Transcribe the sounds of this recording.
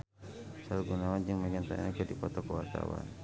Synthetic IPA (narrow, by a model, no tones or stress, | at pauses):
saluɡunawand͡ʒəŋməŋɡant̪a̰nad͡ʒadipɔt̪ɔkəwart̪a̰wa̰n